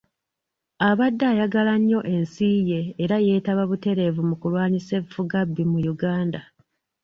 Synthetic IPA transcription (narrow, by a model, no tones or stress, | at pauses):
aβadːaːjaɡalaɲːo̞ʔe̞nsiːje̞ːɾaje̞ːtaβaβute̞ɾe̞vumukulwaːɲise̞βfuɡabːimujuɡaːnda